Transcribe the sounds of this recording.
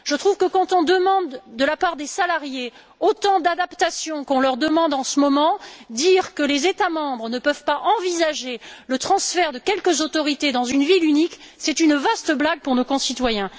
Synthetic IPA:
ʒ̥ət̪χuvkəkɑ̃t̪ɔ̃d̪əmɑ̃d̪ːəlapaʁd̪esalaʁje | ot̪ɑ̃d̪ad̪apt̪asjɔ̃kɔ̃lœʁd̪əmɑ̃d̪ɑ̃səmɔmɑ̃d̪iʁkəlezet̪amɑ̃bʁnəpœvpaʔɑ̃vizaʒelət̪χɑ̃sfɛʁd̪əkʲɛlkəzot̪ɔʁit̪ed̪ɑ̃zynvilyniksɛt̪ynvast̪əblaɡ̚puʁnokɔ̃sit̪wajɛ̃

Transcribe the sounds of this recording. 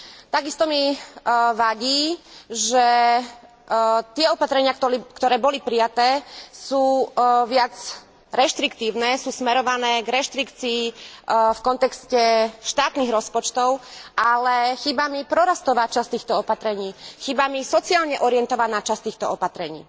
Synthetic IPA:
t̪aɡist̪ɔmi | ʋaɟiːʒɛ | t̪ɪɛɔpat̪ɾɛɲɪat̪kt̪ɔɾɛːbɔlipɾijat̪ɛːsuːʋɪad͡z | ɾɛʃt̪ɾikt̪iːʊnɛːsuːsmɛɾɔʋanɛːɡɾɛʃt̪ɾikt͡siːfkɔnt̪ɛkscɛʃt̪aːt̪niɣɾɔspɔt͡ʃt̪ɔʊʔalɛxibamipɾɔɾast̪ɔʋaːt͡ʃast̪iːxt̪ɔɔpat̪ɾɛɲiːxibamisɔt͡siaːlɲɛʔɔɾijɛnt̪ɔʋaːnaːt͡ʃast̪iːxt̪ɔɔpat̪ɾɛɲḭː

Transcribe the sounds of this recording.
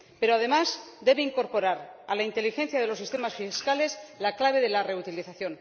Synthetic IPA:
pe̞ɾoað̞e̞mazd̪e̞βe̞iŋko̞ɾpo̞ɾaɾa̰laint̪e̞lixe̞n̟θjað̞e̞losist̪e̞masfiskale̞zlaklaβ̞e̞ðe̞lare̞ut̪iliθaθjo̞n

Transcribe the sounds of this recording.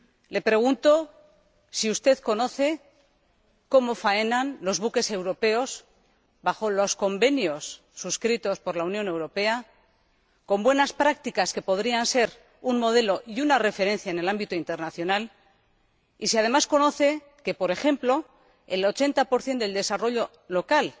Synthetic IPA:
le̞pɾe̞ɣ̞unt̪o̞ | siust̪e̞ðko̞no̞θe̞ | ko̞mo̞fae̞nanlo̞zβuke̞se̞wɾo̞pe̞o̞z | baχo̞lo̞sko̞mbe̞njo̞sː | uskɾit̪o̞spo̞ɾlaunjo̞ne̞wɾo̞pe̞a | ko̞mbwe̞naspɾakt̪ikaske̞po̞ðɾianse̞ɾ | unmo̞ð̞e̞lo̞ʔiunare̞fe̞ɾe̞nθjaene̞lambit̪oint̪e̞ɾnaθjo̞nal | isiað̞e̞masko̞no̞θe̞ | ke̞po̞ɾe̞xe̞mplo̞ | ḛlo̞t͡ʃe̞nt̪apo̞ɾθje̞nd̪eld̪e̞saro̞ʎo̞ | lo̞kal

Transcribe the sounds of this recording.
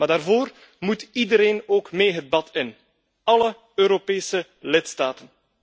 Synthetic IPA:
maːdaːrvoːr | mutidəɾeːnoːkmeːɦəd̚bɑtʰɪn | ɑlə | øːɾopeːsə | lɪtstaːtən

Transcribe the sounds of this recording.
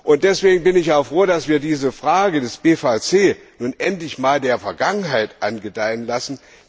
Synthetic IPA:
ʔʊnt̚d̥ɛsv̥eːɡŋ̩bɪnɪçaʊxfʁ̥oːdasv̥iːɐdiːzəfʁ̥aːɡədɛsb̥eːfat͡seː | nuːnʔɛntlɪçmaːldeːɐfɛɐɡaŋənɦaɪtʔanɡədaɪənlasn̩

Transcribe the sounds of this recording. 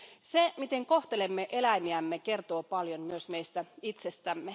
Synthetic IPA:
semit̪eŋko̞ht̪elemːeʔelæimiæmːekert̪oːpɑljonmyøsmeist̪æit̪sest̪æmːe

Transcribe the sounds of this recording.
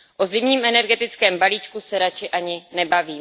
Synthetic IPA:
ʔozɪmɲiːmʔɛnɛɾɡɛt̪ɪt͡skɛːmbaliːt͡ʃkusɛɾat͡ʃɪʔaɲɪnɛbaviː

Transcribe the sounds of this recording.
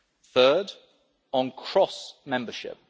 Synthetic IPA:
θɜːd | n̩kʰɹ̥ɒsmɛ̃mbəʃɪ̰p̚

